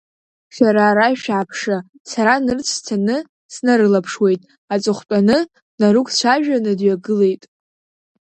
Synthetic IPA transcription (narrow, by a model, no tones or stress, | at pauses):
ʃaɾaːɾaʃᶣaːpʰʂa | saɾanɨrt͡sʷʰtʰanɨ | snaɾɨlapʰʂwe̞jtʼ | at͡sʼɨχʷt͡pʼanɨ | naɾukʷʰt͡ɕʷʰaʒᶣanɨdɥaɡɨle̞jtʼ